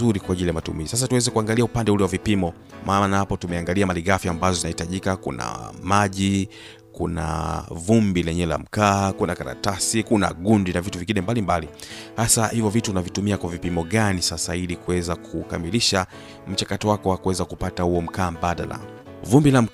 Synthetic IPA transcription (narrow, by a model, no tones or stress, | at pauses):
uɾikwaʄilijamatṵmizisas̬atuwɛzɛkuaŋɡaliaupandɛulɛwavipimɔ | mʔaːnahapɔtumɛaŋɡaliamaliɡafjaːmbazɔzinahitaʄikakṵna̰maʄi | kuna̰vumbilɛɲɛla̰m̩kaːkunakaɾa̰tasikuna̰ɠundinavituviŋɡinɛmbalimbali | hasahivɔvituunavitumiakwavipimɔɠanisasailikuwɛzakʰukamiliʃa | m̩t͡ʃakatɔwakɔwakuwɛzakupatahuɔm̩kaːmbaɗa̰la̰ | vumbilam̩